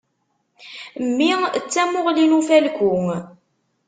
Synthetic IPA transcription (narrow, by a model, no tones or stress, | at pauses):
mːiət͡sːæmʊʁlinufælkʷʊŋ